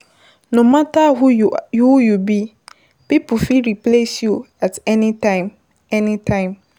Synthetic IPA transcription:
nomatahuujubi | pipufiɹiplesju | atɛnitãɪ̃m | ɛnitʰãɪ̃m

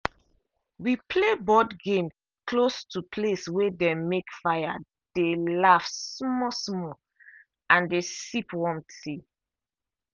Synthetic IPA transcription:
wipʰlebɔdɡẽm | kʰlostʰupʰleswɛdɛ̃mekfaja̰ | d̥elafsmɔsmɔ | ãndesipwɔ̃mtʰi

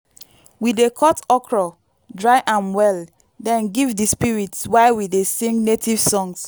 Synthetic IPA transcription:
widekʰɔtɔkʰɹɔ | dɹaɪʔãnwɛl | dɛ̃nɡivdispiɹitswaɪwidesĩŋɡnetʰiv̥sɔ̃ŋs

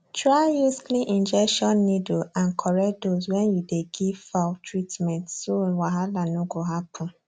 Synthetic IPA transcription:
tɹaɪjuskliʔĩnd͡ʒɛkʃɔnːidoãnkʰɔɹɛdoswɛ̃njudeɡivfatʰɹitmɛ̃ntsowaɦalanoɡoɦapʰʊ̃

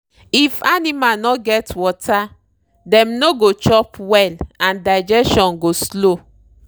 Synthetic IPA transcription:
ifanimanɔɡɛtwɔtʰa | dɛ̃mnoɡot͡ʃɔpwɛlãndaɪd͡ʒɛsʃɔ̃nɡoslo

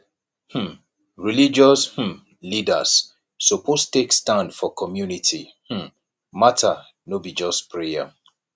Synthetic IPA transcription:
hm̩ | ɹilid͡ʒɔsh̩ | lida̰sː | opʰostekstãndfɔkʰɔmjunitʰi | hm̩ | matʰa | nobid͡ʒɔspʰɹea̰

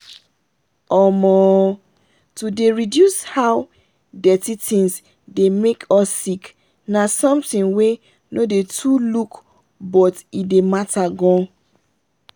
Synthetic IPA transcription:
ɔmɔ | tudeɹidjushaw | dɛtitʰĩns | demekʰɔsːik | nasɔ̃mtĩnwe | nodetʰuluk | bɔtidemataɡɔ̃

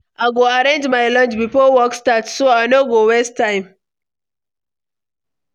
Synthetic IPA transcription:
ʔaɡoaɾend͡ʒmajlɔ̃nt͡ʃbipowɔkstatsoanoɡowɛstːajm

